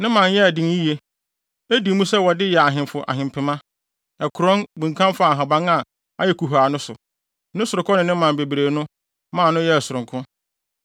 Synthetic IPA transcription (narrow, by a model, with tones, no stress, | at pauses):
nɪ̃˦mã˨njɛ˦æ˨dĩ˨ŋ˦ji˦je˦ | æ˦di˨˦mũ˦sɛ˦wɔ˨dɪ˦jɛ˨a˨ɦɪ̃˨mfʊ˨ʔa̰˨ɦɪ̃˨mpʰɪ˨mã˦ | ɛ˨kʰʊ˨ɾɔ̃˦nbũ˨ŋ̩˨kʰã˦m˦fa˦˨a˨ɦã˨bã˦ŋa˨ | a̰˦jɛ˨kʰu˨ɦaː˨nʊ̃˦sʊ̰˨ | nʊ̃˦sʊ˨ɾʊ˨kʰɔ̃˦nɪ̃˨nɪ̃˦mã˨n˨be˨bɾeː˨nʊ̃˦ | mãː˨nʊ̃˦jɛ˦˨sʊ˨ɾʊ̃˨ŋkʰʊ̃˦